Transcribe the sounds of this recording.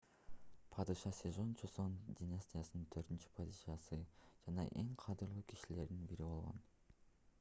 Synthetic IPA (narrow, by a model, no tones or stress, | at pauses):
pʰɑd̪ɯʃɑsʲezo̞nt͡ʃʰosond̪ʲinasʲt̪ʲijasɯnɯnt̪ʰøɾt̪int͡ʃy̥pʰɑd̪ɨʃɑsɯd͡ʒɑnɑ̰ʔe̞ŋqʰɑd̪ɯɾlˠuːkʰi̥ʃile̞ɾd̪inbiɾibo̞lˠʁo̞̰n